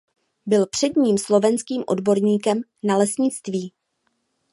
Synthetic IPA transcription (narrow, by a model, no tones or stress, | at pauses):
bɪlpr̝̥ɛdɲiːmslo̞vɛnskiːmʔo̞̰dbo̞ɾɲiːkɛmnalɛsɲɪt͡st̪viː